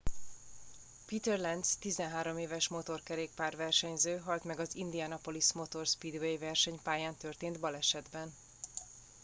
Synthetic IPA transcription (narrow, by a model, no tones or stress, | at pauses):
piːt̪ɛrlɛnd̪st̪izɛnɦaːɾo̞meːvɛʃmo̞t̪o̞rkɛɾeːk̚paːrvɛrʃɛɲzøːɦɒlt̪mɛɡɒzind̪ijanɒpo̞lismo̞t̪o̞rspiːd̪vejvɛrʃɛɲpaːjaːnt̪ørt̪eːnd̪bɒlɛʃɛd̪bɛn